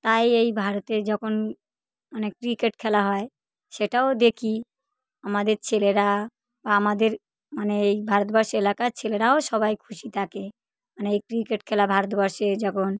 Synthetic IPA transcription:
t̪ajejbʱaɾot̪ed͡ʑɔkʰon | manekɾikeʈkʰɛlaɦɔe | ʃeʈaod̪ekʰi | amad̪eɾt͡ɕʰeleɾa | baamad̪eɾ | maneejbʱaɾot̪̚bɔɾʃelakat͡ɕʰeleɾaoʃɔβajkʰuʃit̪ʰake | maneejkɾikeʈkʰɛlabʱaɾot̪bɔɾʃed͡ʑɔkʰon

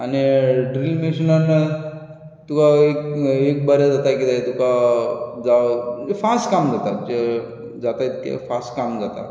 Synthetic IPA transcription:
aniɖɾilmesinən | t̪ukaekek̚bəɾed͡zat̪akit̪at̪uka | d͡zaefasʈkamd͡zat̪ad͡ʒe | d͡zat̪ajt̪kḛfʰasʈkamd͡zat̪a̰

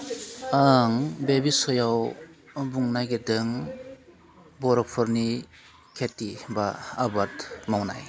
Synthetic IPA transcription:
aŋbebisɔjaw | buŋnajɡedɯŋ | bɔɾɔpʰɔɾni | kʰetibaːbatmawna̰j

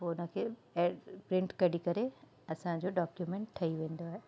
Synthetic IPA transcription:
poːʊnə̆kʰeːepɾɪ̃ɳʈkɐɽikɐɾe | ɐsãd͡ʑoɖaːkjumẽːɳʈtʰɐiʋẽːnd̪oaːɦe

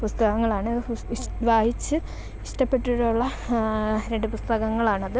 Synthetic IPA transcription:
pust̪ɐɣɐŋːɐɭaːɳɨ | ʋaːhit͡ɕːɨ | iʂʈɐpːe̞ʈːuɽuɭːɐ | ɾeɳɖɨpust̪ɐɣɐŋːɐɭaːɳɐðɨ

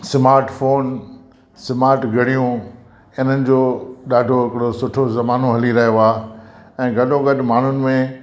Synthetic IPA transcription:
sɪmaːɾʈfoːn | sɪmaːɾʈɡʱɐɽ̤ijũ | ɪn̤ənɪ̆d͡ʑoːɗaːɖʱoɦɪkɪɽosʊʈʰozɐmaːnoɦɐliɾɐɦjoaːɛ̃ːɡɐɗõɡɐɗʱɪmaːɳ̤ʊnɪ̆mẽ

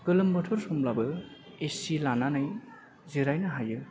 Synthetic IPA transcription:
kɯlɯmbɯtʰɔɾsɔmlabɯ | esilananɯj | ziɾajnɯɦajɯ

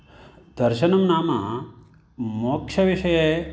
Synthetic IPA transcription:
d̪̥ɐɾʃɐnɐmnaːma | moːkʃɐʋiʃɐje

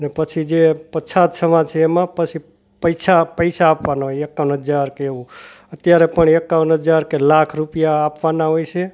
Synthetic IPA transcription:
ənepət͡ʃʰid͡ʒepət͡ʃʰat̪səmãd͡ʒt͡ʃʰeːmãpət͡ʃʰi | pəjsʰapəjsaːpʋanaɦojekːaʋənɦəd͡ʒaɾkeːʋũət̪jaɾepəɳekːaʋənɦəd͡ʒaɾkelakʰɾupijaːpʋanaɦojt͡ʃʰe

